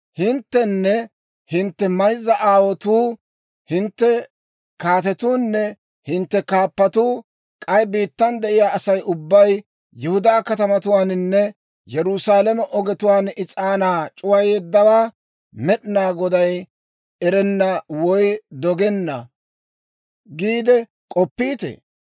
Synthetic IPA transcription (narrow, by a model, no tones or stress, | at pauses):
hɪnt̪ːɛnːɛ | hɪnt̪ːɛmɐjzːɐʔaːwɔt̪uː | hɪnt̪ːɛ | kaːt̪̬ɛt̪uːnːɛ | hɪnt̪ːɛkaːpːɐt̪uː | kʼɐjbiːt̪ːɐnd̪ɛʔɪjaːɐsɐjʔʊbːɐj | jɪhʊd̪aːkɐt̪ɐmɐt̪ʊwaːnnːɛ | jɛɾʊsaːlɐmɛʔɔɡɛt̪ʊwaːnɪt͡sʼaːnaːt͡ʃʼʊwɐjɛd̪ːɐwaː | mɛɗɪnaːɡɔd̪ɐj | ɛɾɛnːɐwɔjd̪ɔɡɛnːɐ | ɡiːd̪ɛ | kʼɔpːiːt̪ɛ̰